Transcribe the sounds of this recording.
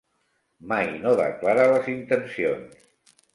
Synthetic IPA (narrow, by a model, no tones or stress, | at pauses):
majnoðə̰klaɾaləzint̪ənsions